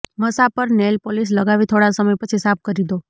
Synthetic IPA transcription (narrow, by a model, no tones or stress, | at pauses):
məsapəɾnelpolis̬ləɡaʋit̪ʰoɽasəməjpət͡ʃʰisap̚ʰkəɾid̪o